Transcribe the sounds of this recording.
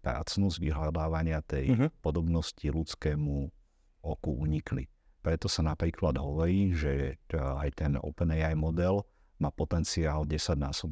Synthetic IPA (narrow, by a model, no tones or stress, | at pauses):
pɾa̰ːt͡snuzʋiɦlad̪aːʋaɲɪat̪ɛjpɔd̪ɔbnɔscilut͡skɛːmu | ɔkuuɲiklḭ | pɾɛt̪ɔsanapɾiːklad̪ɦɔʋɔɾiːʒɛajt̪ɛnɔ̰ʊpɛnɛjajmɔd̪ɛl | maːpɔt̪ɛnt͡siaːlɟɛsaɟnaːsɔb